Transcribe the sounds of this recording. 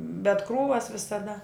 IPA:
bʲɛt ˈkruːʋɐs ʋʲɪsɐˈdɐ

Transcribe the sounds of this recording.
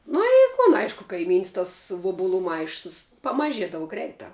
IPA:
ˈnʊ ɪ kʊn ˈɐɪʃkʊ kɐɪˈmʲiːns tɐs ˈʋʊbʊlˠʊ ˈmɐɪʃʊs pɐmɐˈʒʲiɛdɐʋʊ ˈɡrʲɛɪtɑː

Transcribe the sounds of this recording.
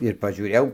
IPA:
ɪr pɐʒʲuːˈrʲeːjɛʊ

